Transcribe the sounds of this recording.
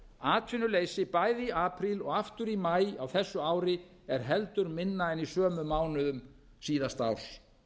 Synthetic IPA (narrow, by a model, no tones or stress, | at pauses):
aːt̪ʰvɪnːʏleːjsɪpajðiaːpʰɾilɔɣaft̪ʏɾimajawθɛsːʏaːwɾɪ | ɛɾ̥ɦɛlt̪ʏɾmɪnːaɛnisœːmʏmaːwnʏðʏm | siːðast̪aw̥s